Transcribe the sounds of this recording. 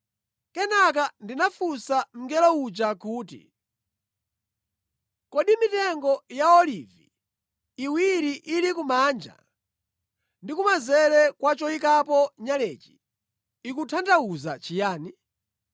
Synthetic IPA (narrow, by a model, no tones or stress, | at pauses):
kɛnak̬andinafusam̩ŋɡɛlɔut͡ʃakuːtḭ | kɔɗimitɛŋɡɔjaɔliviː | wiɾiʔilikumaːnd͡ʒa̰ | ndikumazɛlɛkwat͡ʃɔikapɔɲalɛːt͡ʃi̥ | ikutʰantauzat͡ʃijaːni